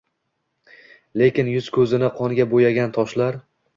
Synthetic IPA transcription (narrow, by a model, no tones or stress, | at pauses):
le̞kʲɪnjʊz̥kʰɵzɪnɪqʰɒnɡʲabojaɡʲant̪ʰɒʃlaɾ